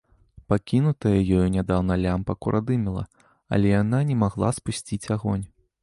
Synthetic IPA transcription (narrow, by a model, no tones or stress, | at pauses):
pakʲinut̪ɐjɐjɔjunʲad̪awnɐlʲampɐkuɾʔad̪ɨmʲɛlˠɐ̰ | ɐ̰lʲɛjananʲɛmaɣlˠaspusʲt͡sʲit͡sʲaɣɔnʲ